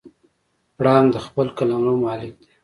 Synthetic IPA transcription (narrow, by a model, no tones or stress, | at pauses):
ɽɑmd̪əxpəlkalamɾomɑːlɪk̚d̪e̥